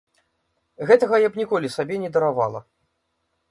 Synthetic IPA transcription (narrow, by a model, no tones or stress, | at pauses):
ɣɛt̪ɐɣɐjɐpnʲikɔlʲisabʲɛnʲɛd̪ɐɾava̰lˠɐ̰